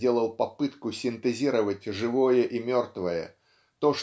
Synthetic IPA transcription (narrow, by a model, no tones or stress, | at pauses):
dʲelˠəlˠpɐpɨt̪kʊsʲɪnt̪ɨzʲiɾəvətʲʐɨvojəʔimʲort̪vəjə̰ | t̪oʂ